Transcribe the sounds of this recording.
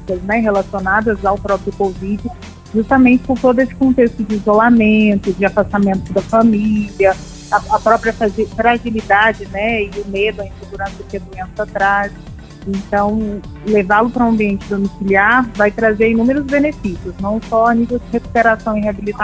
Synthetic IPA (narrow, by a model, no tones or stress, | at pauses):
kɐznɛɦelasionad̪ɐzawpɾɔpɾjʊkovid͡ʒɪʊ | ʒust̪amẽt͡ʃɪ̥koɾt̪od̪ʊesɪ̥kõt̪est̪ʊd͡ʒɪːzolamẽnt̪ʊd͡ʒɪafast̪amẽnt̪ʊd̪ɐfamiliɐː | ɐpɾɔpɾiɐfafɾaʒilid̪ad͡ʒɪnɛɪʊmed̪ʊɐẽseɡuɾɐ̃sɐʊkɪɐd̪uẽsat̪ɾas | ẽt̪ɐ̃w̃levalʊpɾɐũɐ̃mbiẽnt͡ʃɪd̪omisiliaɾvajt̪ɾazeɾẽnũmeɾʊzbenefisiʊznɐ̃w̃sɔanivewd͡ʒɪɦeku̥peɾasɐ̃w̃ɪɦeabilit̪a